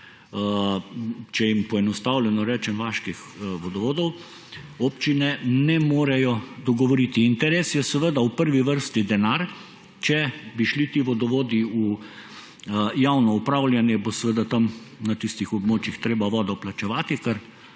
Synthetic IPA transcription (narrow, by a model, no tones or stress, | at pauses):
t͡ʃɛjimpɔɛnɔst̪awlʲɛnɔɾɛːt͡ʃɛmʋaːʃkix | ʋɔd̪ɔʋoːd̪ɔw | opt͡ʃinɛnɛmoːɾɛjɔd̪ɔɡɔʋɔɾit̪iːnt̪ɛɾeːsjɛsɛʋəd̪aupəɾʋiʋəɾst̪id̪ɛnaɾ | t͡ʃɛbiʃlit̪iʋɔd̪ɔʋoːd̪iu | jawnɔupɾawlʲjanjɛbosɛʋəd̪at̪amnat̪ist̪ixɔbmoːt͡ʃjixt̪ɾeːbaʋɔːd̪ɔplat͡ʃɛʋaːt̪ikəɾ